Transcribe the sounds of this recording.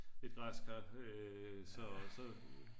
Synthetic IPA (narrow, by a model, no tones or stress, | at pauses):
e̝d̥ɡ̥ʁɑskʰɑb̥øsɒsɒ̽